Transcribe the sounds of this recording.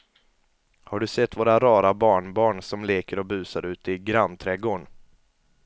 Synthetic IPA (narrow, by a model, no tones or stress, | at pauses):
haɖɵsɛt̪ːvoːɾaɾɑːɾabɑːɳbɑːɳsɔmleːkəɾɔbʉ̟ːsaɾʉ̟ːt̪əɪɡɾant̪ʰɾɛɡoːɳ